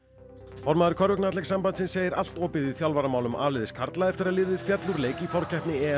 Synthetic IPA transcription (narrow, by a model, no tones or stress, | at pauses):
fɔɾmaðʏɾkʰœɾvʏknat̪lɛksampant̪sɪnseːjɪɾal̥t̪ɔːpɪðiθjawlvaɾamaːwlʏma̰ːlɪðɪskʰaɾt̪laðɛft̪ɪɾaðlɪːðɪðfjɛt̪luɾleːjcifɔɾ̥cɛhpnɪɛ